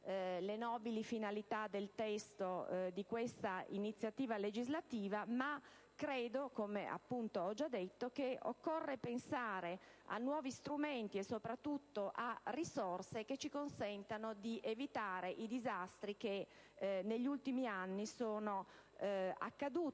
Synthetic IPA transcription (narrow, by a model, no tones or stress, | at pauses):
lenɔːbilifinalit̪ad̪elt̪ɛst̪od̪ikwest̪ainit̪sːjat̪iːvaled͡ʒizlat̪iːvama | kɾeːd̪okomea̰pːunt̪oɔd͡ʒad̪ːet̪ːokeo̰kːorːepensaːɾe | a̰nːwɔːvist̪ɾument̪iesːopɾat̪ːut̪ːoʔarːisorseket͡ʃːikonsɛnt̪anod̪iʔevit̪aːɾeʔid̪izast̪ɾike | neʎːult̪imianːisoːno | a̰kːad̪uːt̪